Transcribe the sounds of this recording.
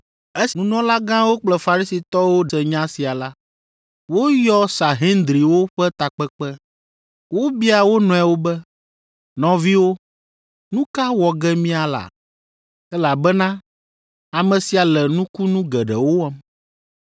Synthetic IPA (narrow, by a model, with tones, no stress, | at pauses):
e˦snũ˦nɔ̃˦la˦ɡã˦wo˦k͡plɛ˦fa˨ɾi˦si˨t̪ɔ˦wo˦ɛ˨ɲã˦si˨a˨la˦ | wo˦jɔ˦sa˨ɦie˦nd̪ɾi˨wo˦ɸɛ˦t̪a˨k͡pɛ˦k͡pɛ˦ | wo˦bi˦a˨wo˦nɔ̃˨ɛ˨wo˦bɛ˦ | nɔ̃˨vi˦wo˦ | nũ˦ka˦wɔ˨ɡɛ˦mĩ˦a˨la̰˨ | ɛ˦la˨bɛ˦nã˦ | a˨mɛ̃˨si˨a˨lɛ˨nũ˦ku˦nũ˦ɡɛ˨ɖɛ˨wo˦wɔ˦m